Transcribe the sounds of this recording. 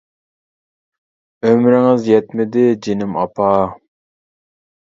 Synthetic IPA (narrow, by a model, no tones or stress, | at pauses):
ømɾɪŋɪzjɛt̪mɪd̪ɪd͡ʒinɪmɑpʰɑ